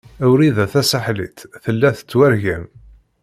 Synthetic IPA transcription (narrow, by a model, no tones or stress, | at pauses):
æwɾiðæθæsaħlḭt̪θəlːæθə̥t͡sːwæɾʝæm